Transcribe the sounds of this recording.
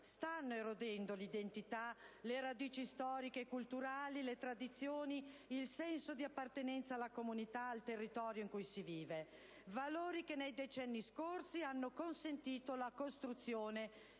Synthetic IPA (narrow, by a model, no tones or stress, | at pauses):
st̪anːoeɾod̪ɛnd̪olid̪ent̪it̪aleɾad̪iːt͡ʃist̪ɔːɾikeːkult̪uɾaːlilet̪ɾad̪it̪sːjoːniilsɛnsod̪iapːart̪enɛnt̪saːlːakomunit̪aːlt̪erːit̪ɔːɾjoiŋkujsiviːve | valoːɾikenːejd̪et͡ʃɛnːiskorsianːokonsent̪iːt̪olakost̪ɾut̪sːjoːne